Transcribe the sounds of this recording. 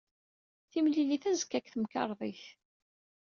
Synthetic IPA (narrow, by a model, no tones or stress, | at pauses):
θimliliθæzə̥kːækθəmkɑ̰ɾˤðˤiθ